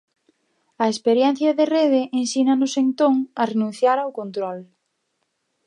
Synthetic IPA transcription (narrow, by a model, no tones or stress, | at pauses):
ɐespeɾjɛn̟θjɐðereðeʔensinanʊsent̪oŋɐrenũnθjaɾawkont̪ɾɔl